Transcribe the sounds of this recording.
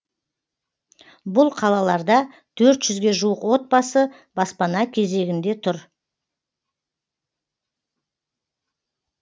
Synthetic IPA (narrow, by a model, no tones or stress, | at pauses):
bʊlˠqʰɑlˠɑlˠɑɾd̪ɑ | t̪ʰɵɾt̪ʒ̥ʏzɡʲe̞ʒuwəqwo̞t̪̚bɑsə | bɑspɑnɑkʲʰe̞ze̞ɡʲɪnd̪e̞t̪ʰʊɾ